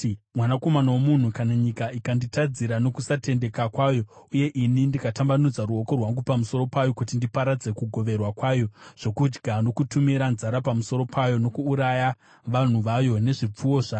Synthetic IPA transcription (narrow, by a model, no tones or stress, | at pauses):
mwanako̞manawomun̤ukanaɲikaikanditad͡ziɾano̞kusate̞nde̞kakwaːjo̞uje̞ʔinindikatambanud͡zaruo̞ko̞rwaŋɡupamuso̞ɾo̞pajo̞kutindipaɾad͡ze̞kuɡʱo̞ʋe̞rwakwaːjo̞ʐ̥o̞kud͡ʒɡʱano̞kutumiɾanzaɾapamuso̞ɾo̞pʰajo̞no̞kuːɾaja | ʋan̤uʋajo̞ne̞ʐip͡fuwo̞ʐaː